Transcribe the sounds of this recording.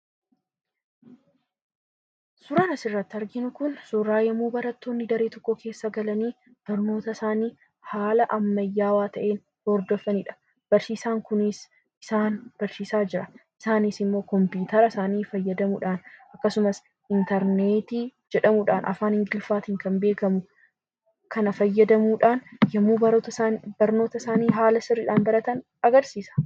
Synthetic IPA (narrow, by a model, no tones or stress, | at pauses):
sʊɾɐːnɐsɪrːɐt̪ːɪɐɾɡɪnʊkʊnsɔɾaːjɐmuːbɐɾɐt̪ːo̞ːnːɪd̪ɐɾeːt̪ɔkːɔkʰe̞ːsːɐɡɐlɐniː | b̥ɐɾno̞ːt̪ɐsaːniː | haːlɐʔɐmːɐjːaːwaːt̪ɐʔe̞ːn | hɔɾd̪ɔfːɐniːᶑɐ̥ | b̥ɐɾsiːsaːŋkʊnɪs | ɪsaːnb̥ɐɾsiːsaːd͡ʒɪɾɐʔɪsaːnɪsɪmːo̞ːkɔmpiːt̪ɐɾɐsaːniːfɐjːɐd̪ɐmuᶑaːnɐkːɐsʊmɐs | ʔɪnt̪ɐɾneːt̪iːd͡ʒɛᶑɐmʊᶑa̰ːnʔɐ̰faːnhɪŋɡɪlfaːt̪ɪŋkɐmbe̞ːkɐmʊ | kʰɐnɐfɐjːɐd̪ɐmuːᶑaːnjɐmuːbɐt̪ɐbɐɾno̞ːt̪ɐsaːniːɦaːlɐsɪrːiᶑaːnbɐɾɐt̪ɐn | ɐɡɐɾsiːsɐ̥